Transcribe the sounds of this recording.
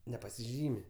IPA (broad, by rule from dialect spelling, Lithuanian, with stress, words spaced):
nʲɛpɐsʲɪˈʒʲiːmʲɪ